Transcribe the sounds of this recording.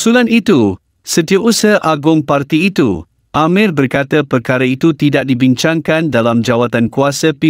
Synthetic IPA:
sulanit̪u | sət̪iaʔusəhʔaɡʊŋpart̪iːt̪ṵ | ʔamɪlbərkat̪əpərkaɾəit̪ut̪idaʔ̚dibiɲt͡ʃaŋkandalamd͡ʒawat̪ankuasəpi

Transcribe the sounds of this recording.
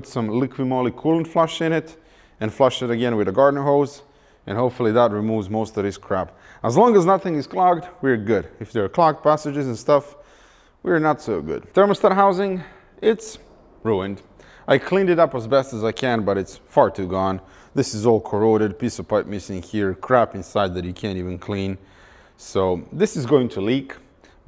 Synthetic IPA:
pʊtsʌ̃mlɪkʰwɨmolˠikʰulˠə̃nflʌʃɨ̃ñɪɾ | ɨ̃nflʌʃɨɾɨɡɛ̃nwɨðɨɡɑɹdⁿn̩ɦoʊz | ɨ̃nɦoʊpfl̩ˠiðət̚ɹimuvzmoʊstʌvɨz̥kʰɹ̥æp | əzlɔ̃ŋəznʌθɪ̃ŋɨz̥kʰl̥ɑɡ̚dwiɹɡʊɾɨfðə˞ːkʰl̥ɑɡ̚pʰæsɨd͡ʒɨzɨ̃nstʌf | wiɹnətsoʊɡʊ̰d̥̚θə˞məstətɦaʊzɪ̃ŋ | ɪts | ɹuɨ̃nd | ʔaɪkʰl̥ĩnɨɾʌpəzbɛstəzaɪkʰɨ̃nbʌɾɨtsfɑɹtʰʉɡɔ̃n | ðɪsɨzɔlˠkʰə˞oʊɾɨd̚pʰisʌv̥pʰaɪp̚mɪsɪ̃ŋhiɹkʰɹ̥æpɨ̃nsaɪd̪̚ðɨt͡ʃɨkʰæ̃ntivɨ̃nkʰl̥ĩn | soʊðɪsɨzɡoʊɪ̃ŋtʰəlik

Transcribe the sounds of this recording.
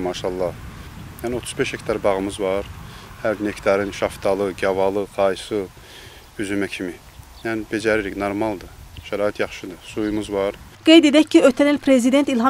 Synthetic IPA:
mɑːʃɑlˠːɑ | jæːnɪot̪ʰu̥zbeʃhɛkʲt̪ʰɑɾbɑʁɯmɯzvɑɾhæɾnekʲʰt̪ʰɑɾɨnʃɑft̪ʰɑlˠɯɡʲɑvɑlˠɯqʰɑjsɯ | yzymɛkʰimi | jænɪbed͡ʒæɾiɾikʲnɑɾmɑlˠd̪ɯʃæɾɑːit̪ʰjɑχʃɨd̪ɯsujumɯzvɑɾɡ̥ejd̪ed̪ɛcʰːiøt̪ʰænilpʰɾezid̪ent̪ilˠɦɑ

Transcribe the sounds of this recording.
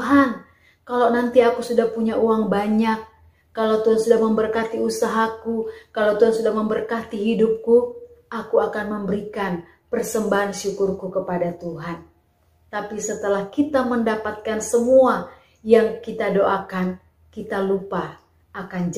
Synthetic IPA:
ɦan | kalawnant̪iakusudahpuɲaʔuaŋbaɲak̚ː | alawt̪uɦansudahməmbərkat̪iusaɦakukalawt̪uɦansudahməmbərkat̪iɦidʊp̚kuʔakuakanməmbəɾikan | pərsəmbaɦanʃukʊrkukəpadat̪uɦan | t̪apisət̪əlahkit̪aməndapat̪̚kansəmua | jaŋkit̪adoʔakan | kit̪alupa | ʔakand͡ʒ

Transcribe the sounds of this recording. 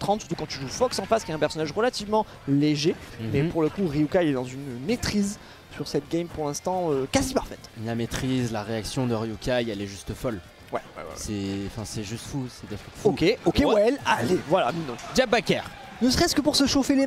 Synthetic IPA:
t̪χɑ̃t̪sy̥ʁt̪ukɑ̃t̪yʒufɔksɑ̃faskʲjɛt̪ɛ̃pɛʁsɔnaʒʁəlat̪ivmɑ̃ | leʒemɛpuʁləkuʁiukailɛd̪ɑ̃zynmet̪χiz | syʁsɛt̪ɡʲɛmpuʁlɛ̃st̪ɑ̃økazipaʁfɛt̪lamet̪χizlaʁeaksjɔ̃d̪əʁiukaiɛlɛʒyst̪əfɔl | wɛ̰wɛ̰wɛ̰sɛɑ̃fɛ̃sɛʒyst̪fusɛd̪efɛt̪fokʲeokewɛlalevwalaminɔ̃d͡ʒabbakʲɛʁ | nəsχɛskəpuʁsəʃofele

